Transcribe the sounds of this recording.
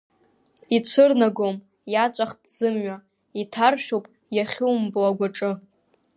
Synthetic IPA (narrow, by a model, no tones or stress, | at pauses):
it͡ɕʷʰɨrnaɡom | jat͡ʃʷʼaχdz̥ɨmɥa | itʰarʃᶣupʼ | jaχʲuwmbɨlaɡʷaʈ͡ʂʼɨ